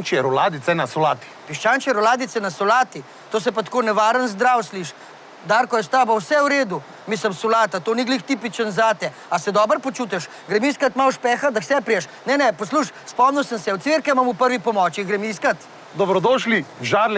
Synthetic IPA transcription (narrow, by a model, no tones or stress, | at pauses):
nt͡ʃiɛɾɔlaːd̪it̪sɛnasɔlaːt̪i̥ | piʃt͡ʃaːnt͡ʃiɛɾɔlaːd̪it̪sɛnasɔlaːt̪i | t̪oːs̬ɛpat̪konɛʋaːɾənzd̪ɾawsliʃ | d̪aːɾkɔjɛst̪aːbawsɛwɾeːd̪u | misləmsɔlaːt̪at̪oːniɡlixt̪ipit͡ʃənzaːt̪ɛ | asɛd̪ɔbəɾpɔt͡ʃuːt̪ɛʃ | ɡɾɛmiskat̪malʃpɛxad̪awsɛpɾijɛʃ | nɛnɛpɔsluʃspɔmniwsəmsɛwt̪sʋeɾkɛmamupəɾʋipɔmɔt͡ʃiɡɾɛmiskat̪ | d̪ɔbɾɔd̪oːʃliʒaːɾlɛ